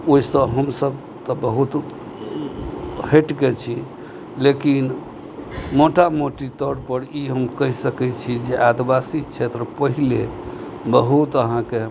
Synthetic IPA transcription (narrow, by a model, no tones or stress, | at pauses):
oisə̃ɦəmsəb | t̪ɔbəɦut̪ | heʈket͡ʃʰi | lekin | moʈamoʈit̪əɾpəɾiɦəmkəɦisəkɛt͡ʃʰid͡ʒeʔad̪ibasikt͡ʃʰet̪ɾəpəɦile | bəɦut̪əɦãke